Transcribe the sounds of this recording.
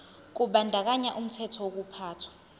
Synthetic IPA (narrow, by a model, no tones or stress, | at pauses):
k̬uɓandʱak̬aɲaʔum̩tʰɛtʰɔwok̬upʰaːtʰwḁ